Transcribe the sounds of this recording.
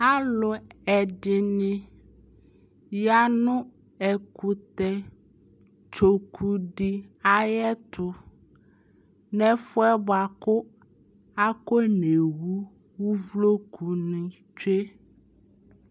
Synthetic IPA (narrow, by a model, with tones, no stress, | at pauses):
a˦lʊ˨ɛ˨ɖɪ˨nɪ̃˦ | ja˦nʊ̃˦ | ɛ˨ku˨t̪ɛ˨ | t͡ʃo˨kʰu˨ɖi˦a˨jɛ˦t̪ʊ˨ | nɛ̃˦fʊ˦ɛ˦ba˨kʊ˦ | a˦ko˦ne˨wu˦ | wu˦vlo˦kʰu˨nĩ˨ | t͡ʃe˦